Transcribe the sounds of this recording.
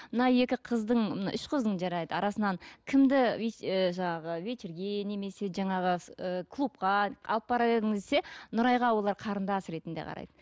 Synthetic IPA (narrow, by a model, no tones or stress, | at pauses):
mənɑje̞kʲɪqʰəzd̪əɴmnɑ̰ʔʏʃqʰəzd̪əɴʒɑɾɑjd̪əɑɾɑsənɑnkʲʰɪmd̪ɪeʒɑɴɑʁəvet͡ʃɪɾɡʲe̞ne̞me̞se̞ʒɑɴɑʁəəkʰlˠup̚qɑɑ̰lˠəp̚bɑɾɑbe̞ɾd̪ɪŋɪzd̪ese̞nʊɾɑjʁɑwo̞lˠɑɾqʰɑɾənd̪ɑsɾe̞t̪ɪnd̪eqʰɑ̰ɾɑ̰jd̪ə